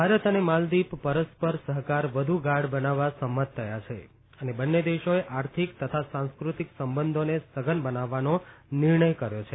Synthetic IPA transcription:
bbʱaɾət̪ənemald̪ippəɾəspəɾsəɦkaɾʋəd̪ʱuɡaɽbənaʋːasəmːət̪ʰːəjat͡ʃʰḛ | ənebənːed̪eʃoeʔaɾt̪ʰikt̪ət̪ʰasãnskɾut̪iksəmbənd̪ʱonesəɡənbənaʋːanonɪɾɳəjkəɾjot͡ʃʰe

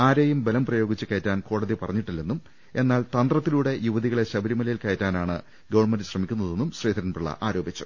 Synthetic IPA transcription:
aːɾeːjumbelɐmprɐjo̞ːɡit͡ɕːɨkɐːɐtːaːnko̞ːɽɐðipɐrɐɲːiʈːilːenːum | e̞nːaːɭt̪ɐnd̪rɐt̪ːiluːɽe̞juʋɐðiɣɐɭeɕɐbɐɾimɐlɐjilkɐjtːaːnaːɳɨ̰ | ɡɐʋɐɳmendɨɕrɐmikʲːunːɐðe̞nːumɕriːd̪ɐɾɐnpɨɭːɐ̰ʔaːɾo̞ːbit͡ɕːu̥

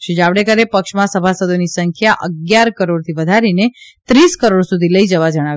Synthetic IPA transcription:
ʃed͡ʒaʋɽekəɾepəkʃmãsəbʱasəd̪ʱonisəŋkʰjaʔəɡjaɾkəɾoɽt̪ʰiʋəd̪ʱaɾinet̪ɾiskəɾoɽsud̪ʱiləid͡ʒəʋad͡ʒəɽ̃aʋ

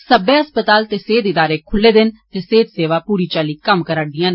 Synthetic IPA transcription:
səbeːəspət̪aːlt̪eːseːd̪ɪd̪aːɾeːkʰʊlːeːd̪ɪnt̪eːseːd̪seːʋaːpuːɾiːt͡ʃaːliːkəmkəɾaːɖɪjãːn

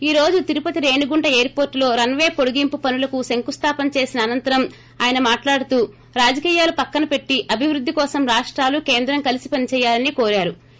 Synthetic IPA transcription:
iːɾo̞ːd͡ʒut̪iɾupɐt̪iɾe̞ːɳuɡuɳʈɐeːɐɾpo̞ːɾʈlo̞ːɾɐnʋe̞ːpo̞ɽuɡimpupɐnulɐkuseŋkust̪ʰaːpɐnɐt͡ʃe̞ːsinɐːnɐnt̪ɐɾɐm | aːjɐnɐmaːʈlaːɽut̪uː | ɾaːd͡ʒɐkiːjaːlupɐkːɐnɐpe̞ʈːiʔɐbʱiʋɾud̪ʱːikɔːsɐmɾaːʂʈɾaːlukeːnd̪ɾɐŋkɐlisipɐnit͡ʃɛːjːaːlɐnikoːɾaːɾu

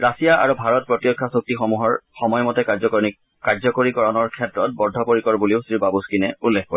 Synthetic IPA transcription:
ɹasijaʔa̰ɹubʱaɹɔt̚pɹɔtjɔkʰːasok̚tixɔmuɦɔɹxɔmɔjɔmɔtɛ | kaɹzɔkoɹikɔɹɔnɔɹkʰɛtɹɔt̚bɔdʱːɔpoɹikɔɹbuliʊsɹibabuskinɛulːekʰkɔ

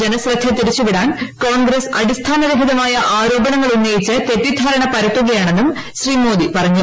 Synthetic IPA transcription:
d͡ʑenɐsrɐt̪ʰjɐt̪ːiɾit͡ɕːuʋiɽaːnkoːɳɡɾesɐɽist̪ʰaːnɐɾɐbʱɦiðɐmaːjɐʔaːɾo̞ːbɐɳɐŋːɐɭunːejit͡ɕːɨt̪e̞ʈːid̪ʱaːɾɐɳɐpɐɾɐʈːuɣɐjaːɳe̞nːum | ɕriːmo̞ːd̪ipɐrɐɲːu

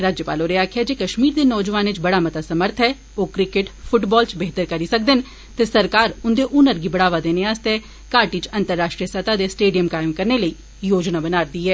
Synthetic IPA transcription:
ɾaːd͡ʒjəpa̰ːloɾeaːkʰjad͡ʒeːkəʃmiːɾd̪eːnɔːd͡ʒʋaːnɪt͡ʃbəɽaːmət̪aːsəməɾt̪ʰɦɛː | oːkɾɪkeʈpʰʊʈbɔːlt͡ʃbeɦt̪əɾkəɾisək̚d̪ɪn | t̪esəɾkaːɾʊnd̪eʔʊnəɾɡibəɽaːʋad̪eːneaːst̪ɛ | kaːɾʈit͡ʃə̃nt̪əɾːaːʃʈɾiəsət̪aːd̪esʈeːɖijəmkaːɪmkəɾneləiː | joːd͡ʒnabənaːɾd̪iːɦɛː

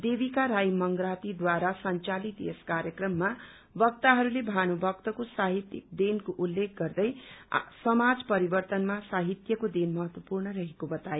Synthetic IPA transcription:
d̪ebikaɾajmʌŋɡɾat̪id̪waɾasʌnt͡salit̪ḛskaɾjʌkrʌmːa | bʌk̚t̪aɦʌɾulebʱanubʱʌkt̪ʌkosaɦit̪ḭk̚d̪enkoʔulːek̚ɡʌrd̪ʌjsʌmad͡zpʌɾibʌrt̪ʌnmasaɦit̪jʌkod̪enmʌɦʌt̪wʌpurnʌɾʌɦekobʌt̪aje

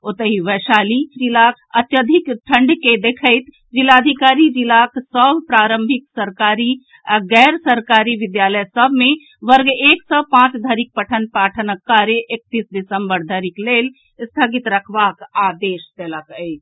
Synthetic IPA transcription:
ot̪əɦiʋəʃaːlid͡ʒilak | ət̪jəd̪ʱikʈʰəɳɖked̪ekʰəɪt̪ | d͡ʒilad̪ʱikaːɾid͡ʒilaksəbʱpɾaːɾə̃mbʱiksəɾkaːɾi | ɡɛːɾsəɾkaːɾiʋɪd̪jaːləjsəbʱmẽ | ʋəɾɡeːksəpãt͡ʃd̪ʱəɾik̚pəʈʰənpaːʈʰənəkːaɾeʔek̚t̪iːsɖisəmbəɾd̪ʱəɾikleːl | st̪ʰəɡit̪ɾəkʰʋakaːd̪eːʃt̪eləkəɪt͡ʃ

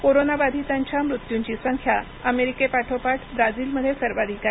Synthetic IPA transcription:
koɾonabad̪ʱit̪aɲt͡ɕjamɾut̪juɲt͡ɕisəŋkʰja | əmeɾikepaʈʰopaʈʰbɾad͡ziːlməd̪ʱːjesəɾʋad̪ʱika

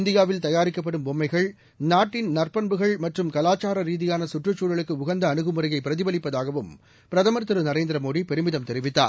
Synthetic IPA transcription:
ɪnd̪ɪjaːʋɪlt̪ɐjaːɾɪkːɐp̬ːɐɽɯmbɔmːɐɪɣɐɭ | naːʈːɪnnɐrpɐnbɯɣɐɭmɐʈrɯmkɐlaːt͡ʃːaːɾɐɾiːðɪjaːnɐsʊʈrɯt͡ʃːuːɻɐɭɯkːɯʊɣɐnd̪ɐːnɯɣɯmɯrɐjɐɪpːɪɾɐðɪbɐlɪpːɐðaːɣɐʋɯm | pɪɾɐðɐmɐɾt̪ɯɾɯnɐɾeːnd̪ɪɾɐmoːɽipɛɾɯmɪðɐmt̪ɛɾɪʋɪt̪ːa̰ːɾ

